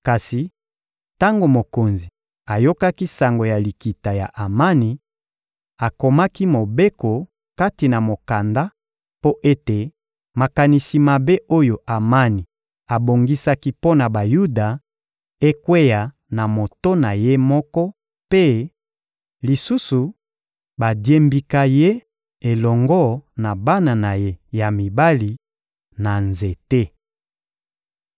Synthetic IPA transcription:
ka˨si˨ | ta˦ŋɡo˨mo˨ko˨nzi˨ | a˨jo˦ka˦ki˦sa˨ŋɡo˨ja˨li˨ki˨ta˨ja̰˨ʔa˨ma˦ni˨ | a˨ko˨ma˦ki˦mo˨be˦ko˨ | ka˦ti˨na˨mo˨ka˨nda˦ | po˦ʔe˦te˨ | ma˨ka˨ni˨si˨ma˨be˦o˦jo˨ʔa˨ma˦ni˨ | a˨bo˨ŋɡi˦sa˦ki˦po˦na˨ba˨ju˦da˨ | e˦kwe˦ja˨ | na˨mo˨to˦na˨je˦mɔ˦kɔ˦ | pe˦ | li˨su˦su˨ | ba˨dje˦mbi˨ka˦je˦ | e˨lɔ˨ŋɡɔ˦na˨ba˦na˨na˨je˦ja˨mi˨ba˦li˨ | na˨nze˨te˦

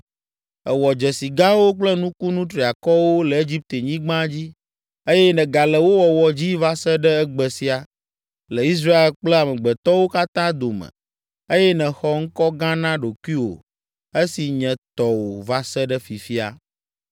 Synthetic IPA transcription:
ɛ˨wɔ˨d͡ʒɛ˨si˨ɡã˦wo˦k͡plɛ˦nũ˦ku˦nũ˦t̪ɾi˨a˨kɔ˦wo˦lɛ˨e˦d͡ʑi˦p̚t̪e˨ɲĩ˦ɡ͡bã˦d͡ʑi˦ | e˦jɛ˦nɛ̃˨ɡa˨lɛ˨wo˦wɔ˨wɔ˨d͡ʑi˦va˦sɛ˦ɖɛ˦ɛ˦ɡ͡bɛ˨si˦a˨ | lɛ˨i˦s̬ɾa˦e˨lk͡plɛ˦˨a˨mɛ̃˨ɡ͡bɛ˨t̪ɔ˦wo˦ka˦t̪ã˦d̪o˨mɛ̰̃˨ | e˦jɛ˦nɛ̃˨xɔ˦ŋ̩˦kɔ˦ɡã˦nã˦ɖo˨ku˦i˦wo̰˨ | e˦si˨ɲɛ̃˨t̪ɔ˨wo˨va˦sɛ˦ɖɛ˦fi˨fi˦a̰˨

